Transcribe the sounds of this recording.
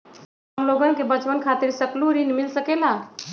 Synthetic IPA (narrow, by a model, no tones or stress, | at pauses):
əmloɡənkebət͡ʃpənkʰat̪iɾsəkluɾinmilsəkela